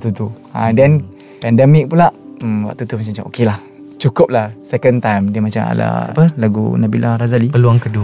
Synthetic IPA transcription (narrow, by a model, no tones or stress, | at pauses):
ʔt̪ut̪u | ãdɛn | pɛndɛmik̚pulaʔmwa̰ʔ̚t̪ut̪umat͡ʃamat͡ʃamʔo̰kelah | t͡ʃukʊp̚lahsɛkənt̪ajmdiəmat͡ʃama̰la̰a̰pəlaɡṵnabilaɾazalipəluaŋkədu